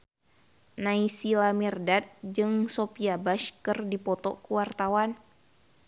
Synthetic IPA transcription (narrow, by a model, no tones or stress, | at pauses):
naisilamirdat̪̚d͡ʒɨŋsopiabaʃkɨrdipɔt̪ɔkuwart̪awan